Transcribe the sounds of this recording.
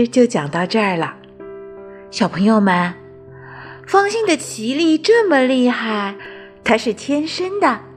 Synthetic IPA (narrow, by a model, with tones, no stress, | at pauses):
t͡ɕjo˥˩ʊt͡ɕjɑ˨˩ŋt̪ɑ˥˧ʊʈ͡ʂɤ˥˩lə˩ | ɕjɑ˨˩ʊpʰɤ˧˥ŋjo˥˧ʊmə˧n | fɑ˥˧ŋɕi˥ŋd̪ə˨t͡ɕʰi˧˥li˥˧ʈ͡ʂɤ˥˩mə˨˩li˥˧xa˥˩ɪ | t̪ʰa˥ʂɻ̩˥˩t̪ʰjɛ˥nʂə˥nd̪ə˨˩